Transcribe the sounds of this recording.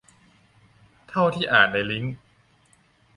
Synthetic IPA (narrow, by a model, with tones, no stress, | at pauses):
t̪ʰa˥˩wt̪ʰiː˥˩ʔaː˨˩n̚da˧jli˦˥ŋ